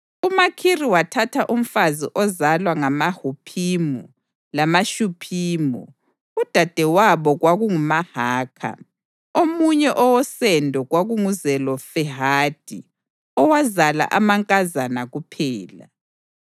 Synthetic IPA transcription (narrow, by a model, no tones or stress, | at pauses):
umakʰiriwatʰatʰaʔum̩fazḭʔɔzalwaŋamahupʰiːmɔ | lamaʃupʰiːmɔ̰ | ud̥ʱad̥ʱɛwaβɔɣwaɣuŋumahaːkʰa̰ | omuɲɛʔɔwɔsɛndʱɔɣwaɣuŋuzɛlɔfɛɦad̥ʱi | ɔwazala̰ʔamaŋkʼazanaɣupʰɛːla̰